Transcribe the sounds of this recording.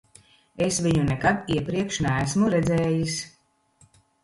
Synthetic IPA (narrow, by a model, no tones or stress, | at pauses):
esviɲunɛkad̪iɛpɾiɛkʃnæːsmuɾɛd̪zɛːjis